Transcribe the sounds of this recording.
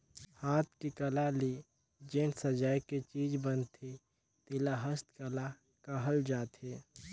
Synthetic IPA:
haːt̪̚ʰkikəlali | d͡ʒẽːnsəd͡ʒaːiket͡ʃiːd͡ʒbənt̪ʰi | t̪ɪlaɦəst̪kəla | kəɦəld͡ʒaːt̪ɦeː

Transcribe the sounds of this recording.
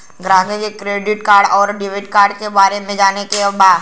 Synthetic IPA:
ɡɾaːɡed͡ʒekɾeːɖɪʈkaːɾɖɔːɾɖɪʋeɪʈkaːɾɖkebaːɾemẽd͡ʒaːnekebaːd̪

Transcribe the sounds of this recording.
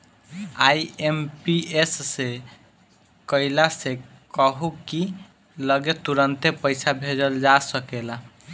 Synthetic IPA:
ajempiesːe | kəilase | kəɦuki | ləɡet̪uɾənt̪epəjsʰabʱed͡ʒəld͡ʒasəkela

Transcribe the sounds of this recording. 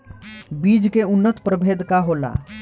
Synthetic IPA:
biːd͡ʒkeunːət̪pɾəbʱed̪ʱkaɦola̰

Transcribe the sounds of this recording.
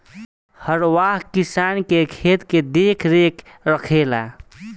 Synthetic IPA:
həɾwaɦkisankekʰet̪ked̪ekʰɾek | ɾəkʰela̰

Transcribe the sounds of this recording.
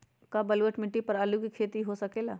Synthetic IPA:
kabɐlwəʈmɪʈːipɐɾaːlukikʰeːt̪iɦosɐkeːlaː

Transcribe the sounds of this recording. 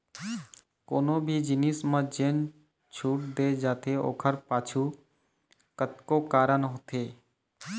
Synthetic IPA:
koːnobʱid͡ʒɪniːsmãd͡ʒen | t͡ʃʰuːʈd̪eːd͡ʒaːt̪eo̰ːkʰəɾpaːt͡ʃʰu | kət̪kokaːɾənɦot̪ʰeː

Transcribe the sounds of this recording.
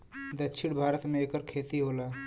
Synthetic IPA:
d̪ətːʃʰɪɽ̃bʱaːɾət̪mẽeːkəɾkʰeːt̪iɦoːlaː

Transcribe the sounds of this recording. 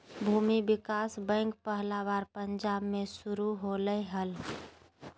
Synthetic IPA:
bʱuːmibɪkaːsbə̃ŋk̚pəɦlaːʋaːɾpəɲd͡ʒaːbmẽsʊɾuɦoləiɦəl

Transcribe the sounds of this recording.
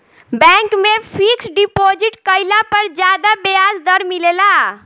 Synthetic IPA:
bɛ̃ŋkmẽpʰiksɖipoːd͡ʒiʈkəɪlapəɾd͡ʒjaːd̪abeazd̪əɾmilela

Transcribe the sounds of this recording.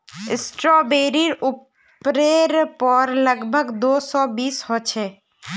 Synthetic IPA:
ɪsʈɾɔbeɾiɾup | ɾeɾpɔɾləɡbʱəɡd̪osɔbishot͡ʃʰe

